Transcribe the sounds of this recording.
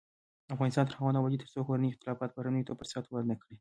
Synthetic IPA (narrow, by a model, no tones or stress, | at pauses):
afɣɑnɪst̪ɑnt̪əɾxawɑnawad͡ʒit̪əɾsoxoɾaniɪxt̪ɪlɑfɑt̪̚baɾanujt̪apəɾsɑt̪waɾnakɽi